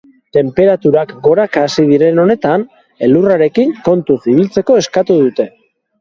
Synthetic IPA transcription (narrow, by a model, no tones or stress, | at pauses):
t̪e̞mpe̞ɾat̪uɾakɡo̞ɾakasið̞iɾe̞no̞ne̞t̪an | e̞luraɾe̞kiŋko̞nt̪uθiβ̞ilt͡se̞ko̞e̞skat̪uðut̪e̞